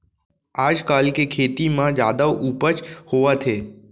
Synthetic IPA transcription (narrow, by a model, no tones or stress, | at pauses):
ad͡ʒkalkekʰet̪imãd͡ʒad̪əʋʔupət͡ʃhoʋat̪ʰe